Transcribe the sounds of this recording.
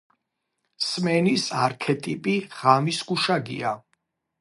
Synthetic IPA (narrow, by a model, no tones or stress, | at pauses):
smɛnisaɾkʰɛt̪ʼipʼiʁ̥amisɡuʃaɡḭa